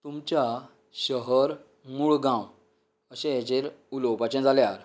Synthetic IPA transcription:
t̪umt͡ɕja | ɕəɦəɾ | muɭɡãw | əɕẽjat͡ɕeɾulowpat͡ɕɛ̃d͡zaljaɾ

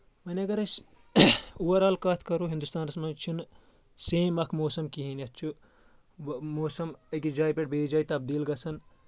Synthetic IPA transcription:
mɐnʲiɐɡɐɾɐs | uʋɐɾaːlkaːt̪ʰkɐɾuɦind̪ust̪aːnɾɐsmɐnt͡ʃʰun | seːmɐkʰmoːsɐmkiɦiniɐtt͡ʃʰu | moːsɐmɐkid͡ʒaːjpeʈ̚beːd͡ʒaːit̪ɐb̚d̪iːlɡɐsɐn

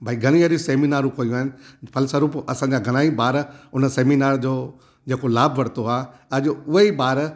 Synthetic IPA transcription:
bʱaːiɡʱɐɽ̃ĩʋəɾiseːminaːɾũkoːjũaːɦɪnɪ̆pʰɐlsəɾuːpɐsãɲ̆d͡ʑaɡʱɐɽ̃aːibaːɾʊnseːminaːɾd͡ʑoː | d͡ʑeːkolaːbʱʋɐɽt̪oaːɐd͡ʑʊʊɦeibaːɾ

